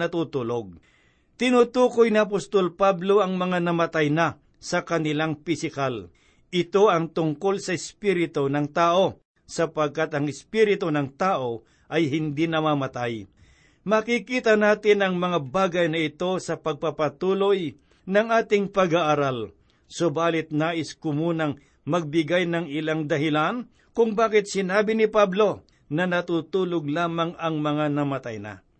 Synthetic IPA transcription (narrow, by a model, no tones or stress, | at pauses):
nɐt̪uːt̪uloɡ̚ | t̪ɪnuːt̪uːkojnɪɐp̬ost̪olpablo̞ʔɐŋmɐŋanɐmɐt̪ajna | sɐkɐnɪlaŋpɪsɪkal | ʔɪt̪o̞ɐŋt̪ʊŋko̞lsɐɪspiɾɪt̪onɐŋt̪aːʔo̞ | sɐpɐɡ̚kat̪ɐŋɪspiɾɪt̪onɐŋt̪aːʔo̞ | ʔɐjɦɪnd̪inɐmamɐt̪aj | makikiːt̪ɐnaːt̪ɪnɐŋmɐŋabaːɡɐjnɐʔɪt̪o̞sɐpɐɡ̚pɐpɐt̪uːloj | nɐŋʔaːt̪ɪŋpɐɡaʔaɾal | sʊbaːlɪt̪̚naːʔɪskʊmuːnɐŋ | mɐɡ̚bɪɡajnɐŋɪlaŋd̪ɐɦɪlan | kʊŋbaːkɪt̪̚sɪnaːbɪnɪpablo̞ | nɐnɐt̪uːt̪uːloɡ̚laːmaŋɐŋmɐŋanɐmɐt̪ajna̰